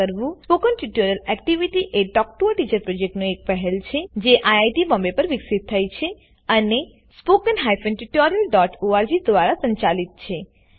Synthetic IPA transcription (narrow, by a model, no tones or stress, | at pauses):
əɾʋũspokənʈiʈoɾjəlɛk̚ʈiʋiʈiʔeɖɔk̚ʈuəʈit͡ʃəɾpɾɔd͡ʒek̚ʈnoek̚pɛɦɛlt͡ʃʰed͡ʒeʔajajʈibɔ̃mbepəɾʋiksit̪ʰːajt͡ʃʰe | əne | spokənɦajfə̃nʈuʈɔɾijəlɖɔʈoaɾd͡ʒid̪ʋaɾasə̃ɲt͡ʃalit̪̚t͡ʃʰe